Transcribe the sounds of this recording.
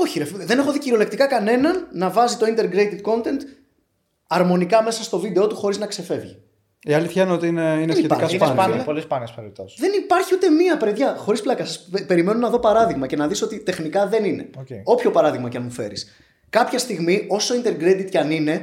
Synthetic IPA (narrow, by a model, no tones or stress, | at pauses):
o̞çiɾefðene̞xo̞ðiciɾio̞le̞k̚t̪ikɐkɐne̞nɐnːɐvɐzit̪o̞int̪eɾɡɾet̪it̪̚ko̞nt̪e̞nt̪ | ɐɾmo̞nikɐmesɐst̪o̞vid̪e̞o̞t̪uxo̞ɾiznɐkse̞fe̞vʝḭ | iɐliθçɐinot̪iineineitɾkɐɐspolispɐnɐspeɾit̪osðe̞nipɐɾçiut̪e̞miɐpɾeðʝɐxo̞ɾisplɐkɐsɐspe̞ɾime̞nunɐðo̞pɐɾɐðiɣmɐce̞nɐðiso̞t̪it̪e̞xnikɐðe̞nine̞̰oceo̞pço̞pɐɾɐðiɣmɐcɐnmufe̞̰ɾḭs | kɐpçɐst̪iɣmio̞so̞int̪e̞ɾɡɾet̪it̪cɐnine̞